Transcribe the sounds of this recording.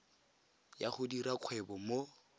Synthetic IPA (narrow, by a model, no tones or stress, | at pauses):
jaχʊdiɾakʰwɛbɔmo